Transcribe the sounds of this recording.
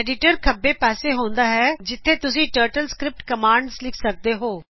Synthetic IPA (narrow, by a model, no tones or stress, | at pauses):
ɛːɖɪʈəɾkʰəbːeːpɛːseːɦõːnd̪aːɦɛːd͡ʒɪt̪ʰːeːt̪ʊsĩːʈəːɾʈəlskɾɪp̚ʈkəmaːɳɖslɪkʰsək̚d̪eːɦoː